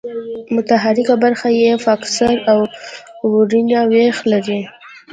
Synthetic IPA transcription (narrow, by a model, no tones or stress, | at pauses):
mʊt̪aɦaɾɪkabaɾxajefaksaɾawwʊɾinawexlaɾi